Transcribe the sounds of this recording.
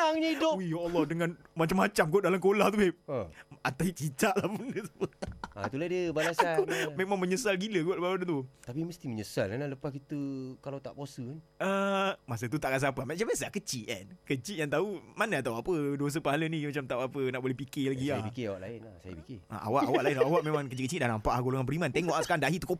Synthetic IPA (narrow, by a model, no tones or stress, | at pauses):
aŋɲəidʊwijoɔlːɔhdəŋãnmat͡ʃamat͡ʃamkodalamkolaht̪ueəat̪ait͡ʃit̪aʔlahpundəsəpəat̪uladəbalasakomẽʔmaŋməɲəsalɡiləɡuaʔləpaadant̪ut̪apiməst̪iməɲəsalanlaləpakit̪əkalawt̪a̰ʔposəkanəmas̬ət̪ut̪aʔkas̬apəmat͡ʃamas̬akət͡ʃiʔa̰nkət͡ʃiʔjaŋt̪aumanaat̪awapədos̬əpaɦalənĩmat͡ʃamt̪aʔapənaʔbolɛhpikɪlaɡiajapikeawaʔla̰ɪnlahsa̰ja̰pikeʔa̰ʔa̰waʔawʔlaɪnlaawaʔmẽmãŋkət͡ʃiʔkət͡ʃiʔdahnampaʔhaɡoloŋanpəɾimant̪eŋɔʔsə̥kaɾaŋdaɦiʔt̪uko